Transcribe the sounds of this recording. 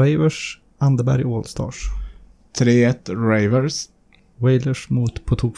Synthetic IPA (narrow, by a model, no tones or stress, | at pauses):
aɪvəʂ | and̪əbæ̰ɾjoːlst̪ɑ̰ːʂ | t̪ʰɾeːɛt̪ːɾaɪvəɾs | wɛjləʂmuːt̪pʰɔt̪ʰuːk